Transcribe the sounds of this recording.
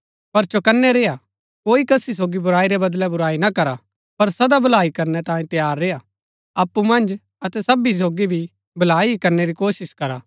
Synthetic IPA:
pɐɾt͡ʃokɐnːɛɾeːa | koːikɐsis̬oːɡibʊɾaːiɾɛbɐd̪lɛbʊɾaːinakɐɾa | pɐɾsɐd̪abɐlaːikɐɾnɛt̪ãːjĩt̪ɐjaːɾːeːa | ɐpːumɐ̃nd͡ʒ | ɐt̪ɛsɐbis̬oːɡibʱi | bʱɐlaːikɐɾneɾikoːsɪskɐɾa

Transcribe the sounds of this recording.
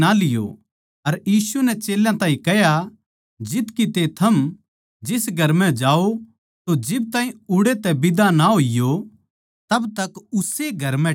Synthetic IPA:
alɪjo̰ | ɐɾjiːsunɛt͡ʃeːljãt̪ãːĩkɛɦja | d͡ʒɪt̪kit̪et̪ʰɐm | d͡ʒɪsɡʱɐɾmɛ̃d͡ʒaːo | t̪od͡ʒɪb̚t̪ãːĩʊɽet̪ɛbɪd̪anaɦoːɪjo | t̪ɐbt̪ɐkʊseɡʱɐɾmɛ̃

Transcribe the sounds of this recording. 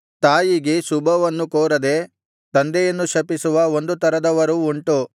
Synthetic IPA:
t̪aːjiɡeʃubʱɐʋɐnːukoːɾɐd̪e̞ | t̪ɐnd̪ɛjɐnːuʃɐpisuʋɐo̞nd̪ut̪ɐɾɐd̪ɐʋɐɾuːɳʈu

